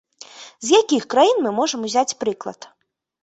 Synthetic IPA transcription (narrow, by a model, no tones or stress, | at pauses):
zjakʲixkɾajinmɨmɔʐɐmuzʲat͡sʲpɾɨklˠɐ̰t̪